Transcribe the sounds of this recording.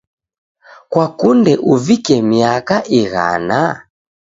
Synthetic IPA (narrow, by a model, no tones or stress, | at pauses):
kwakundɛʔuvikɛmiakaʔiɣa̰na